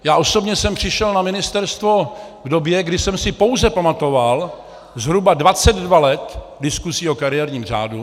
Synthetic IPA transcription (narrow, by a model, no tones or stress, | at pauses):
jaːʔo̞so̞bɲɛsɛmpr̝̥ɪʃɛlnamɪnɪst̪ɛɾst̪vo̞ | vdobjɛɡdɪsɛmsɪpo̞wzɛpamat̪o̞val | zɦɾubadvat͡sɛd̪dvalɛt̪ | dɪskuzio̞kaɾɪjɛɾɲiːmr̝a̰ːdu